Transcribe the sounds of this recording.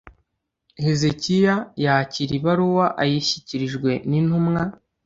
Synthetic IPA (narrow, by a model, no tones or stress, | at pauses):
he̞zecijajaciɾiβaɾuwaʔajiçiciɾiʒɡwe̞nin̥humŋa